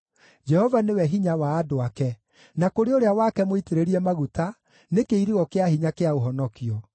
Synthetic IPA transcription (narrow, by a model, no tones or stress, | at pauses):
d͡ʒɛhɔvanewɛɦiɲawaːdoakɛ | nakoɾeoɾeawakɛmoiteɾeɾiɛmaɣuta | nekeiɾiɣɔkeahiɲakeaoɦɔnɔkiɔ